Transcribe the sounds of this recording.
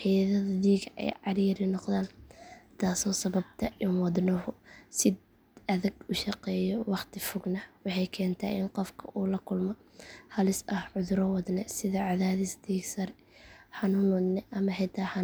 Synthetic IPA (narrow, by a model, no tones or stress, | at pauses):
ħijðɐðɐd̪iːɡʔɛ̰jʕɑɾiːɾɪnɔqðaːnt̪ʰaːsɔːsɐβɐbt̪ʰɐʔɪnwɑd̪nɐɦʊsɪd | ɐðɐɡʊʃɑqɛːjɔwɑχt̪ʰɪfʊɡnɐwɑħɑjkʰɛːnt̪ʰɐ̰ːʔɪnqɔfkʰɐ̰ʔuːlɐkʰʊlmɔ | hɐlɪsɐhʕʊðɾɔwɑd̪nɛsɪðɐʕɑðaːðɪsd̪iːɡsɐɾɛ | ħɑnʊnɔd̪nɛʔɐmɐħɛjt̪ʰaːħɑ